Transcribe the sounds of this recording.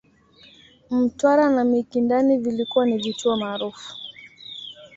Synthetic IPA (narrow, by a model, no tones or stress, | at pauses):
m̩twaɾanamikindanivilikuwanivituɔmaːɾufu̥